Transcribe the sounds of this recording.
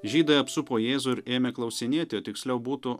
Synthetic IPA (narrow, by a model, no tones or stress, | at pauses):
ʒʲiːd̪ɐɐpsʊpoːjeːzʊɪɾeːmʲeklˠɒʊsʲɪnʲiɛt̪ʲɪoːt̪ʲɪksʲlʲɛʊbuːt̪ʊ